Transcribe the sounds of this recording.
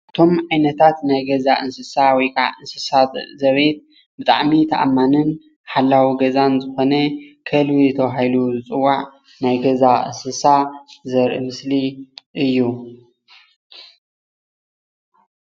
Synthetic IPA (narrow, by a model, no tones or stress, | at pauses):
ʔʔɨt̪ʰo̞mʕajnɐt̪ʰat̪najɡɐzaʔɨnsɨsawɔjkʰʼa̰ʕɨnsɨsat̪zɐβet̪̚ | bɨt̪ʼa̰ʕmit̪ʰɐʔa̰mːanɨn | ħalːawiɡɐzanzɨxo̞nɐkʰɐlwizɨt̪ʰɐβaɦiluzɨt͡sʼɨwːaʕ | najɡɐzaʔɨ̰nsɨsazɐɾʔɨ̰mɨsliʔɨjːu